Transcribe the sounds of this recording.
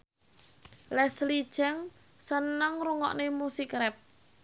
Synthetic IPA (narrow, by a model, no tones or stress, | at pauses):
lɛslid̥ʒ̥ɛŋ | sənəŋruŋɔ̰ʔnemusikɾɛp̚